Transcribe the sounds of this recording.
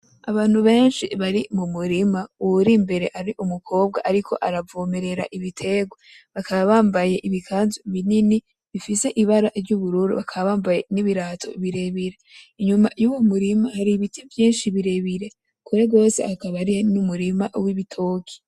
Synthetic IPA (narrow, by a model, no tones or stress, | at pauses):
a̰βaːn̥huβe̞ːnʃiβaɾimumuɾimauuɾimbe̞ɾe̞ʔaɾiʔumukʰo̞ːb̚ɡa̰ʔaɾikʰo̞̰ʔaɾavoːme̞ɾe̞ɾa̰ʔiβitʰe̞ɡwa | βakʰaβaβaːmbaje̞ʔiβikʰaːnzuβinini | βifise̞ʔiβaɾaɾɟuβuɾuɾṵβakʰaβaβaːmbaje̞niβiɾaːtʰo̞̰iβiɾe̞βiɾeiɲumajuwomuɾimahaɾiβitevjiːnʃiβiɾe̞βiɾe̞ | kʰuɾe̞ɡo̞ːse̞̰hakaβaɾihnumuɾimaʔwiβitʰo̞ːkʰi̥